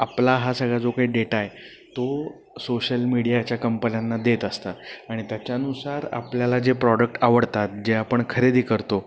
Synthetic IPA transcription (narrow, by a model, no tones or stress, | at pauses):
aplaɦasəɡɭad͡zokaɦiɖeʈaje | t̪o | soɕəlmiɽijat͡ɕjakəmpənjanːad̪et̪əst̪at̪aɽ̃it̪jat͡ɕjaənusaɾa̰pljalad͡ʑepɾɔɽək̚ʈaʋəɽt̪at̪̚d͡ʑeapəɳkʰəɾed̪iːkəɾt̪o